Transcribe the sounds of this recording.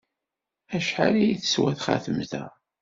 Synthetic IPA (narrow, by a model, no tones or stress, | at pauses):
æʃħalijiθə̥swæθχa̰θəmðæ̰